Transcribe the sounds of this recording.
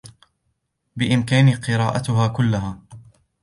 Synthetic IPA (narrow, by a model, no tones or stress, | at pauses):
bɪʔɪmkaːniqɨɾaːʔat̪ʊɦaːkʊlːaɦaː